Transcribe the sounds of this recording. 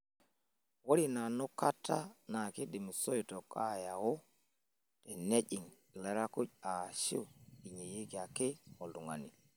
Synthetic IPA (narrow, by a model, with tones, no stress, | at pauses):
wo˦ɾi˦˨na˨nu˦ka˦tʰːa˦na˨ke˦di˨mi˨so˦ito˨ka˦ja˨wo˦ | te˨ne˦ʄi˨ŋ | le˨ɾa˦ku˦c̚a˨ʃḭ˦i˨ɲe˨je˦ɡia˨ke˦o˨lu˨ŋa̰˨ni˨